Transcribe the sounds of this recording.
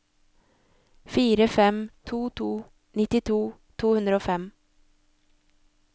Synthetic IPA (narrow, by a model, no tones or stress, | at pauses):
fiːɾəfɛmt̪ʰuːt̪ʰuː | nɪt̪ɪt̪ʰuːt̪ʰuːhʉnd̪ɾəoːfɛm